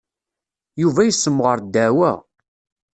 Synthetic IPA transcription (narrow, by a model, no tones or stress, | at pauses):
juvæjəsːəmːʁəɾd̪ːæwæ̰